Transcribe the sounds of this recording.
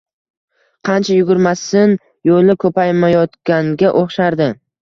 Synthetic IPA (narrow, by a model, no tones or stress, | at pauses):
qʰɑnt͡ʃʰajʊɡʲʊɾmasɪn | jolɪkʰɵpajmajɒt̪kʲaŋɡʲaʔoχʃaɾd̪ɪ